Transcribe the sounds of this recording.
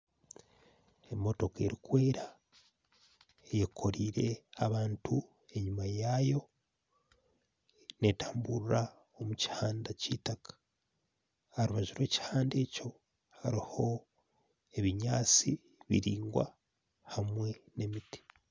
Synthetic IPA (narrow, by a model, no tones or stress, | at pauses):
e̞mo̞to̞ke̞ɾikwe̞ːɾa | ejekʰo̞ɾiːɾe̞aβaːntʰu | e̞ɲumajajo̞ | ne̞taːmbuɾuɾa | omuci̥haːndacitakḁ | haɾuβaʒiɾwe̞ːci̥haːnde̞ːco̞ | haɾiho̞ | e̞βiɲaːt͡si | βḭɾiːŋɡwa̰ | hamwe̞ne̞miti̥